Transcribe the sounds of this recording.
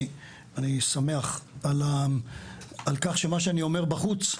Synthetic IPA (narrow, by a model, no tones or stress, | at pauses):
anisame̞aχala | alkaχʃe̞maʃeanio̞meʁbaχut͡s